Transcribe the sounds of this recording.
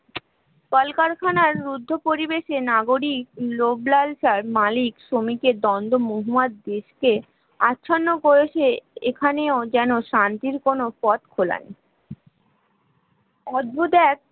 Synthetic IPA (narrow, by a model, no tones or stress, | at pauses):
kɔlkaɾkʰanaɾːud̪ʱːopoɾibeʃenaɡoɾik̚loblalʃaɾmalikʃomiked̪ɔnd̪ʱomoɦumad̪̚d̪eʃke | atːɕʰonːokoɾet͡ɕeekʰaneod͡ʑɛnoʃant̪iɾkonopɔt̪kʰola̰nḭ | ɔd͡ʑbud̪ɛk̚